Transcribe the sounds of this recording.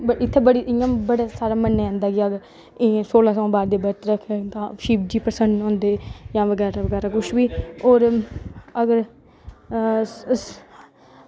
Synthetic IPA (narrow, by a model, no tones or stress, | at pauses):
bəɪt̪ʰːeːbəɽiːʔɪãːbəɽaːsaːɾaːmənːeːɛ̃ːnd̪aːɡɪəɡəɾ | soːlãːsãːbaːɾd̪eːbəɾt̪ɾəkʰːt̪ãːʃiːp̚d͡ʒiːpəɾsəɳɖõːnd̪eːjãːʋəɡɛːɾaːʋəɡɛːɾaːkʊʃʋiːoːɾ | əɡəɾ